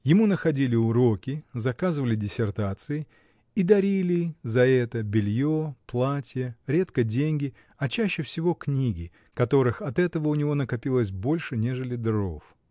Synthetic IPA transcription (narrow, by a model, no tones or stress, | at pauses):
jɪmunəxɐdʲilʲɪʊɾo̞kʲɪzɐkazɨvəlʲɪdʲɪsʲɪrt̪at̪sɨɪ | id̪ɐɾʲilʲɪzɐɛt̪əbʲɪlʲjoplˠatʲɪjəɾʲe̞t̪kədʲenʲɡʲɪ | ɐt͡ɕæɕːɪfsʲɪvo̞knʲiɡʲɪ | kɐt̪o̞ɾɨxɐt̪ɛt̪əvəʊnʲɪvo̞nəkɐpʲilˠəsʲbo̞lʲʂɨnʲe̞ʐɨlʲɪd̪ɾo̞f